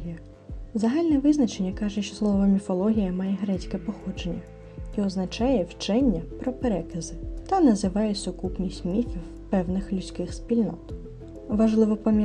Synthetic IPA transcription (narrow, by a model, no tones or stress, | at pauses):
ijɐ | zɐɦalʲnɛʋɪznɐt͡ʃenʲːɐkɑʒɛʃt͡ʃɔ̥slˠɔʋɔmʲifɔlˠɔɦʲijɐmɑjɛɦɾɛt͡sʲkɛpɔxɔd͡ʒe̞nʲːɐ | iɔznɐt͡ʃɑjɛwt͡ʃɛnʲːɐpɾɔpeɾɛkɐzɪt̪ɐnɐzɪʋɑjʊt͡sʲːɔkupnʲisʲtʲmʲifʲiw | pɛwnɪxlʲʊt͡sʲkɪxspʲilʲnɔ̰t̪ | ʋɐʒlˠɪʋɔpɔmʲj